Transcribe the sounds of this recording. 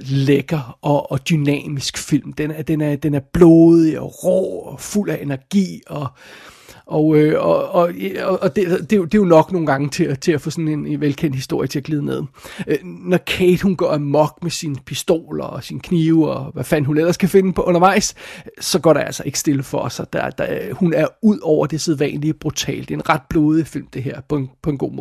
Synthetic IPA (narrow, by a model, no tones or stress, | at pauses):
leɡ̥ɐʔɒ̽ːd̥ynɛ̰ːmisɡ̥fil̰md̥enæd̥enæɐd̥enæɐb̥lo̝ːðˠiɒ̽ʁɔ̰ːɒful̰æʔe̝næɐɡ̥ḭːɒ̽ | ʔɒ̽øɒɒɒ̽ːd̥ed̥e̝jod̥e̝jo̝nɒ̽ɡ̥no̝ːn̩ɡ̥ɑ̈ŋət͡sʰe̝æt͡sʰe̝æfɔ̰ːsɒ̽ne̝ne̝nʋelkʰen̰d̥hisd̥o̝ɐ̰jət͡sʰe̝æɡ̥liːðˠne̝ð̞̰ˠ | nɒkʰeɪd̥hunɡ̥ɶɐæmɒ̽ɡ̥̚mesinpʰisd̥o̝̰ːlɒːsinkʰniːʊɒ̽ʋæfænɦunel̰ɐskʰæfe̝nəpʰɒ̽ʔɔ̽nɐʋɑ̈ɪ̰ssɒ̽ɡ̥ɒ̰ɐɾeælsɐʔe̝ɡ̥əsd̥e̝ləfɒ̽sɒd̥æd̥æhunæɐuð̞̰ˠɒʊ̰ɐd̥e̝seðˠʋɛ̰ːnlib̥ʁut͡sʰɛ̰ːld̥e̝e̝nʁɑ̈d̥̚b̥loːðˠəfil̰md̥e̝ɦeɐ̰pʰɒ̽enpʰɒ̽e̝nɡ̥o̝̰ːmoɔ